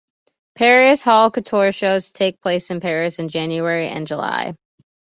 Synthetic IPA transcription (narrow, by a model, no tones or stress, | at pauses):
pʰɛɹiɨshɔlˠkɨtʰɔɹʃoʊz̥tʰeɪk̚pʰl̥eɪsɨ̃npʰɛɹɨsɨ̃nd͡ʒæ̃njuɛɹiʔɨ̰̃nd͡ʒəla̰ɪ